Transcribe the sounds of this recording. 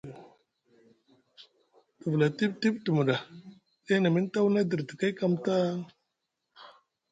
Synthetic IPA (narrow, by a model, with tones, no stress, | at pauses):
tu˨vla˨ti˦b̚ti˦btu˨mu˨ɗa˨ | e˦na˨mi˦n˦ta˦wna˦də˨ɾtə˨ka˦ka˨mta˦